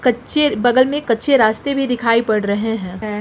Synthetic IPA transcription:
kɐtːʃebɐɡəlmẽkɐtːʃʰeɾaːst̪ebʱid̪ɪkʰaːipɐɽɾɐɦeɦɛ̃ː

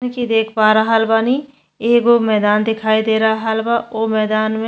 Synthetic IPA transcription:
kid̪eːkʰpaːɾaɦalbaːni | eːɡomɛːd̪aːnd̪ɪkʰaːid̪eːɾaɦɦalbaoːmɛːd̪aːnmẽ

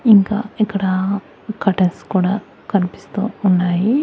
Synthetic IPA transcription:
iŋka̰ekːɐɽa | kɐʈɐskuːɽa | kɐɾipi̥st̪uunːaːji

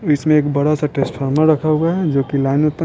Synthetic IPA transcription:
əsmẽeːkbəɽasaʈesʈpʰəɾmeɾəkʰəɡad͡ʒoːkilaɪnut̪ːə

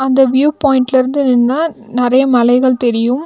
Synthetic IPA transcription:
ɐnd̪ɐʋjuːpoːjɪɳʈɪlɪɾɯnd̪ɯnɛnːaːnɪɾɐjɐmɐlɐɪɣɐɭt̪ɛɾɪjɯm

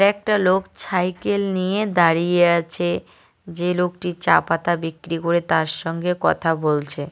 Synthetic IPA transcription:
ɾɛk̚ʈalokt͡ɕʰajkelnijed̪aɾijeat͡ɕʰe | d͡ʑelok̚ʈit͡ɕapat̪abikɾikoɾet̪aɾʃɔŋɡekɔt̪ʰabolt͡ɕʰe

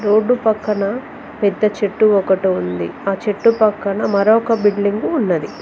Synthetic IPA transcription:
ɾo̞ːɖːupɐkːɐnɐ | pɛd̪ːɐt͡ʃeʈːuɔkɐʈuund̪ḭaːt͡ʃeʈːupɐkːɐnɐmɐɾɔːkɐbiɽliŋɡuːnːɐd̪i

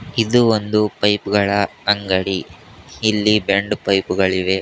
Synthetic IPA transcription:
id̪uond̪upɐjpɡɐɭɐɐŋɡɐɽiː | lːibeɳɖpɐjpuɡɐɭiʋe̞

